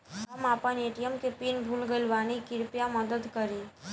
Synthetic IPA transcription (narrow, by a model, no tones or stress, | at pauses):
əmaːpəneʈijəmkepinbʱulɡəlʋanikɪɾpjaməd̪əd̪kəɾi